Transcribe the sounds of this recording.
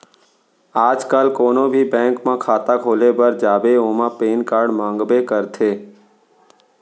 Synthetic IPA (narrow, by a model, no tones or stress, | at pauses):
aːd͡ʒkəlkoːnõbʱibɛ̃ːŋkmãkʰaːt̪akʰoːlebəɾd͡ʒaːbeõːmãpeːnkaːɾɖmãːŋɡbekəɾt̪ʰeː